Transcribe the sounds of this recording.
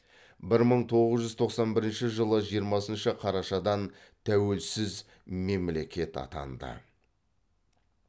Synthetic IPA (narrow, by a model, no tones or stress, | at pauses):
bɪɾməɴt̪ʰo̞ʁəzʒʏzt̪ʰo̞qsɑnbɪɾɪnʃɪʒəlˠəʒijəɾmɑsənʃəqʰɑɾɑʃɑd̪ɑn | t̪ʰæwe̞lsɪz | me̞mle̞kʲe̞t̪ɑ̰t̪ɑ̰nd̪ə̰